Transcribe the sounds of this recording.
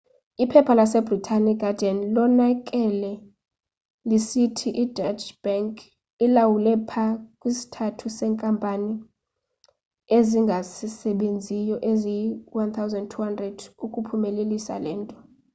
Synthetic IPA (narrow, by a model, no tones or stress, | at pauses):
ipʰɛpʰalas̬ɛbritʰaniɡadʱɛnlɔnakʼɛlɛ | lisitʰiʔidat͡ʃʰʼb̥aŋkʼ | ilawulɛpʰakʼwisi̥tʰatʰusɛːŋkʼampʼani | eziŋɡʱasisɛɓend͡zʱijɔʔeziwant̪ʰawzɛnd̚tʰuhandrɛdukʼupʰumɛlelisa̰lɛːntʼɔ̥